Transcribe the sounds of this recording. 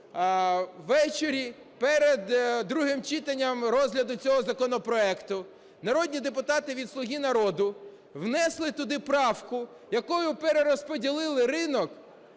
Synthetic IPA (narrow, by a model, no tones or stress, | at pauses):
ʋːɛt͡ʃeɾʲi | pɛɾed̪ːɾuɦɪmt͡ʃɪt̪ɐnʲːɐmɾɔzɦlʲɐd̪ʊt͡sʲɔɦɔzɐkɔnɔpɾɔɛkt̪ʊ | nɐɾɔd̪ʲnʲid̪epʊt̪ɑt̪ɪʋʲid̪slˠʊɦʲinɐɾɔd̪ʊ | wnɛslˠɪt̪ʊd̪ɪpɾɑwkʊ | jɐkɔjʊpeɾeɾɔspɔdʲilˠɪlˠɪrɪnɔk